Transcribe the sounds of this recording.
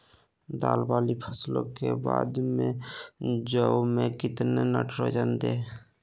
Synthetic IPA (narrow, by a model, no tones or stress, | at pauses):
d̪aːlbaːlipʰəslõ̰keba̰ːd̪mẽ | d͡ʒəmẽkɪt̪nenəʈʰɾod͡ʒənd̪eː